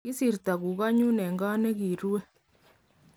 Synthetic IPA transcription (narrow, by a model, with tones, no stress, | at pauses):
i˦si˨ɾta˨ku˨ka˦ɲu˦ne˨ŋɡa˦ne˦ki˨ɾwe˦